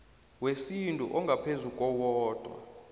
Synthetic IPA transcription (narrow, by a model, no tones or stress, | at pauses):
wesintʼṵʔɔŋɡʱapʰezukʼɔwɔːd̥ʱwa̰